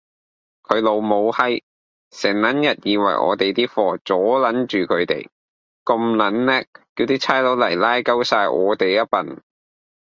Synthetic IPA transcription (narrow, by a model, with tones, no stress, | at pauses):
kʰɵ˨˧ɥlo˨˧wmo˨˧whɐ˥j | sɛː˨˩ŋlɐ˨˥njɐ˨t̚jiː˨˧wɐ̰˨˩jʔɔ̰ː˨˧t̪e˨jt̪iː˥fɔː˨˩t͡sɔː˨˥lɐ˨˥nt͡ʃyː˨kʰɵ˨˧ɥt̪ḛ˨j | ko˧mlɐ˨˥nlɛː˥iː˧wt̪iː˥t͡sʰaː˥jlo˨˥wlɐ˨˩jlaː˥jkɐ˥wsaː˧jʔɔː˨˧t̪e˨jjɐ˥t̚pɐ˨n